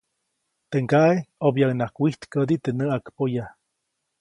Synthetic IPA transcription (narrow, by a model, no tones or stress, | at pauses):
t̪eŋkaeobjaknakʷiht̪kəd̪it̪enəakpoja